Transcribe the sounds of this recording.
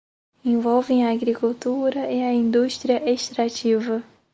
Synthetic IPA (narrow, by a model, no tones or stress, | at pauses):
ẽvɔwvẽj̃ɐːɡɾikuwt̪uɾɐɪɐĩnd̪uʃt̪ɾiɐʔeʃt̪ɾat͡ʃivɐ